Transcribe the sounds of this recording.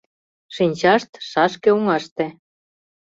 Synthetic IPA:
ʃinʲt͡ɕɑʃt̪ʃɑʃkĕuŋɑʃt̪ĕ

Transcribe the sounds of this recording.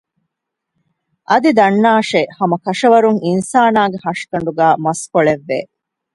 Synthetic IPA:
ʔɐd̪id̪ɐnːaːʃehɐmɐkɐʂɐʋɐɾuŋinsaːnaːɡehɐʂkɐɳ̆ɖuɡæːmɐskoɭeʋːḛː

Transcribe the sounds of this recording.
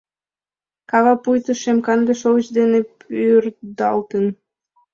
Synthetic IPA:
kɑβɑpujt̪əʃemkɑnd̪eʃoɣət͡ɕd̪enepyrd̪ɑlt̪ən

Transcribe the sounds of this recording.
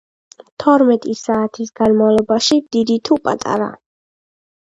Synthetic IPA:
t̪ʰɔɾmɛt̪ʼisaːt̪ʰisɡanmavlɛbaʃid̪̥id̪it̪ʰupʼat̪ʼa̰ɾa̰

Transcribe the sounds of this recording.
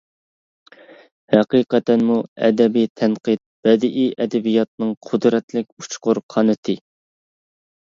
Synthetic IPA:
hɛqiqɛt̪ɛnmuɛ̰d̪ɛbit̪ʰɛnqɨd̪̚b̥ɛd̪ɪʔiʔɛd̪ɛbijɑt̪nɨŋqʰʊd̪ɾɛt̪ʰlɪk̚ʲu̥t͡ʃʰqʊɾqʰɑnɨt̪ʰɪ

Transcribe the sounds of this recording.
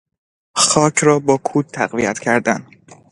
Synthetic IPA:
xɒːcʰɾɒːbɒːkʰuːd̪̚t̪ʰæɣvijæt̪cʰæɾd̪æn

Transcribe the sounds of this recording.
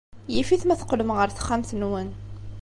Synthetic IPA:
jifiθmæθqəlmʁəɾθχːæmθnwən

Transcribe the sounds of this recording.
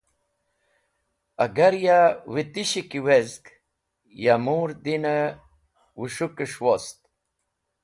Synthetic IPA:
ɐ̰ɡaɾjawit̪iɕikiwezk | jamuɾd̪inə | wuʂukiʂwost̪

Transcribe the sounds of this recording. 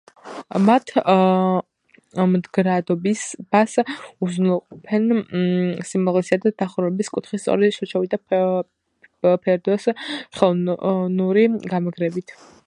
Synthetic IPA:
mat̪ʰ | mɡɾad̪ɔbisb̥asuznulˠqʼɔpʰɛn | simɔʁlisad̪ad̪̥aχɾlɛbiskʼut̪χist̪sʼɔ̰ɾɛʃɔt͡ʃʰawid̪a | pʰɛɾd̪ɔsχɔnuɾiɡamaɡɾɛbit̪ʰ

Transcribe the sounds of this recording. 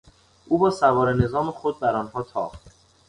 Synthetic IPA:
ʔuːbɒːsævɒːɾe̞ne̞zɒːmexod̪̚bæɾɒːnhɒːt̪ʰɒ̰ːʁ

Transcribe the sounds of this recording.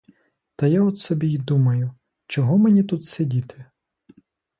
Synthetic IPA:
t̪ɐjaɔt̪sɔbʲijd̪umɐjʊ | t͡ʃɔɦɔmenʲit̪ut̪sedʲit̪ʰɪ̥

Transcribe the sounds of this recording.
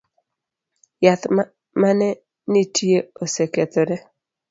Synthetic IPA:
jat̪ | manɛ | nɪtʰjeoseket̪oɾɛ

